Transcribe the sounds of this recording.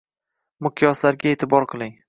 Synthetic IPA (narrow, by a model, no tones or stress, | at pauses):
mʊqʰjɒslaɾɡʲaet̪ʰɪbɒɾqʰɨlˠɪŋ